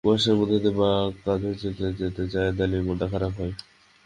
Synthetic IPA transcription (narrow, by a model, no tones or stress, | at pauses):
uaʃeɾmod̪ʱed̪ebak̪ad̪ʱoɾt͡ɕet̪ed͡ʑet̪et͡ɕaed̪alimod̪akʰaɾabɦɔe